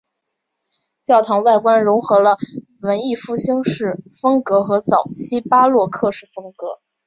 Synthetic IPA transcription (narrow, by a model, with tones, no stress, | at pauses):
t͡ɕjɑ˥˩ʊt̪ʰɑ˧˥ŋwa˥˩ɪkwa˥nɻʊ˧˥ŋxɤ˧˥lə˧ | wə˧˥ni˥˧fu˥˩ɕi˥ŋʂɻ̩˥˩fɤ˥ŋkɤ˧˥xɤ˧˥t͡sɑ˨˩ʊt͡ɕʰi˥pa˥lwɔ˥˧kʰɤ˥˧ʂɻ̩˥˩fɤ˥ŋkɤ˧˥